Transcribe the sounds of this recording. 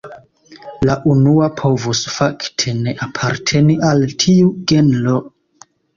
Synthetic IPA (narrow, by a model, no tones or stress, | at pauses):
laʔunuapʰo̞vusfaktʰe̞ne̞ʔapʰaɾtʰe̞niʔaltʰiuɡe̞nlo